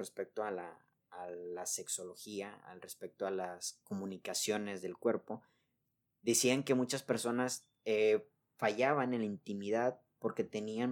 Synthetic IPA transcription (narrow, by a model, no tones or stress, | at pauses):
respek̚t̪oalaː | lase̞kso̞lo̞xiaa̰lre̞spe̞k̚t̪oalasko̞mũnikasjo̞ne̞zðe̞lkwe̞ɾpo̞ | ðesiaŋke̞mut͡ʃaspe̞ɾso̞nas | e | faʝaβanenlaint̪imiðað | po̞ɾke̞t̪e̞nian